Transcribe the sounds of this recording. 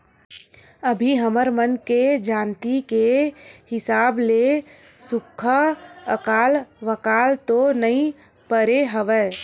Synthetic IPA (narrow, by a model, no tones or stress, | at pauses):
əbʱiɦəməɾmənked͡ʒaːnt̪ikehɪsaːble | sʊkʰəəkaːlʋəkaːlt̪onəĩ | pəɾeɦəʋɛː